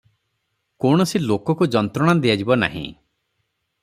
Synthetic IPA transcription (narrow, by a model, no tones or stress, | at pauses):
kowɽ̃ɔsilokɔkud͡ʒɔnt̪ɾɔɽ̃ad̪ijad͡ʒibɔna̰ɦḭ̃